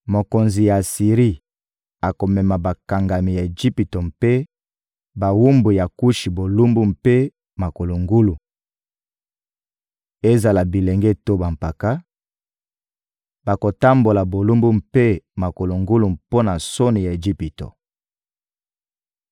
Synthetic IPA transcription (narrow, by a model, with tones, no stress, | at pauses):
mo˨ko˨nzi˨ja˨si˨ʁi˦ | a˨ko˨mɛ˨ma˨ba˨ka˨ŋɡa˨mi˨ja˨e˨d͡ʒi˦pi˨to˨mpe˦ | ba˨wu˦mbu˨ja˨ku˦ʃi˨bo˨lu˦mbu˦mpe˦ | ma˨ko˨lo˨ŋɡu˦lu˨ | e˦za˨la˨bi˨le˨ŋɡɛ˦to˦ba˨mpa˨ka˦ | ba˨ko˨ta˦mbo˨la˨bo˨lu˦mbu˦mpe˦ma˨ko˨lo˨ŋɡu˦lu˨mpo˦na˨so˦ni˨ja˨e˨d͡ʒi˦pi˨to̰˨